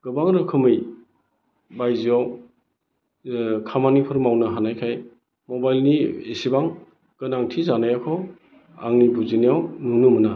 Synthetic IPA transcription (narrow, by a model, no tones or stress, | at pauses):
ɡ̥ɯbaŋɾɯkʰɯmɯj | bajziaw | kʰamanipʰɯɾmawnɯɦanajkʰaj | mɔbajlniesibaŋ | ɡ̥ɯnaŋtʰizanajakʰɔ | a̰ŋnibuzinijawnunɯmɯna